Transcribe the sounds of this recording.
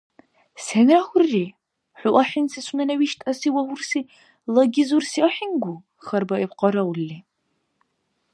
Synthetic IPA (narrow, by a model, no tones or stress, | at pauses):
senraxʷʊrːiː | ħʷʊʔʷɐħɪnsɐsʼʊnɐnɐwiːʃtʼɐsiːwɐwʷʊrsiː | lɐɡʲɪzursiʔɐħinɡʷʊ | xɐrbɐʔɛpqɐɾɐwlːiː